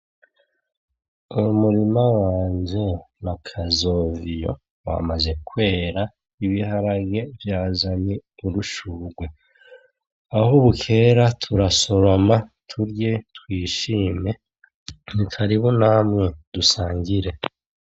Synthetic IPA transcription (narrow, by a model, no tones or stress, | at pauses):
umuɾimawaːɲd͡ʒe̞nakʰazo̞ːvijo̞̰ | wa̰maze̞kwe̞ːɾa | iβihaɾaɡe̞vjaːzaniuɾuʃuːɡwe̞ | ahuβukʰe̞ːɾatʰuɾaso̞ɾo̞matʰuɾɟe̞twiːʃiːme̞ | nikʰaɾiβunamŋe̞dusaːŋɡiɾe̞